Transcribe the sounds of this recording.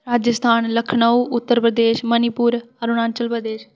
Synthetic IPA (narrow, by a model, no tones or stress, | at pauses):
ɾaːd͡ʒəst̪ʰaːnləkʰɳəuʔʊt̪ːəɾpɾəd̪eːʃmənɪpuːɾəɾʊnãːnt͡ʃəlpɾəd̪eːʃ